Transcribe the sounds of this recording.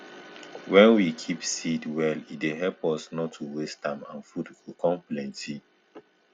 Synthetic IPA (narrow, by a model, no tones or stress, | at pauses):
wɛ̃nwikʰipsidwɛlideɦɛpɔsnɔtʰːuwestãmã̰nfudukʰɔ̃mplɛ̃nti